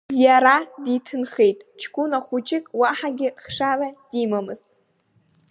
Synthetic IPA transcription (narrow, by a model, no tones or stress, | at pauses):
jaɾaditʰɨnχejtʼt͡ʃʰkʷunaχʷut͡ʃʼɪkʼwaħaɡʲɪχʂarad̥imamɨztʼ